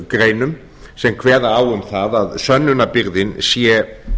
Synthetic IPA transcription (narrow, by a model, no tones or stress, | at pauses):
kɾejnʏm | sɛmkʰvɛːðaaːwʏmθaðaðsœnːʏnapɪɾðɪnsiːɛ